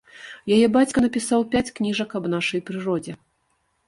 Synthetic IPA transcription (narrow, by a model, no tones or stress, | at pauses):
jajɛbat͡sʲkɐnɐpʲisawpʲat͡sʲknʲiʐɐkɐbn̪aʂɐjpɾɨɾɔd͡zʲɛ